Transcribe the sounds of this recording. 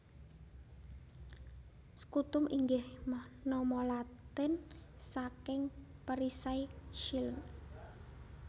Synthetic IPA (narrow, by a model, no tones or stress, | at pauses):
sə̥kut̪ʊmʔiŋɡɪhmahnɔmɔlat̪ɪn | sakɪŋpəɾisaiʃilən